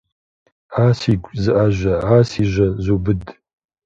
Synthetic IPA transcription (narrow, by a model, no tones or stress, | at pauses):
aːsiɡʷzɨʔaʒʷɐaːsiʒʷɐzobɨd